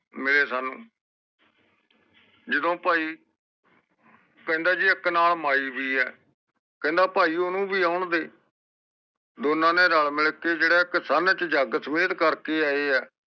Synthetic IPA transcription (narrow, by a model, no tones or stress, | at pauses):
mɪleːsaːnũː | d͡ʒəd̪õːpaːiː | kɛ̃nd̪aːd͡ʒiɪknaːlmaːiːbiːɛː | kɛĩnd̪aːpaːiːʊnũːbʱiːaːʊɳd̪eː | d̪oːnãːneːɾəɭmɪlkeːd͡ʒeːɽɛːɪksaːnt͡ʃd͡ʒaːɡsəmeːt̪kəɾkeːɛːeːɛː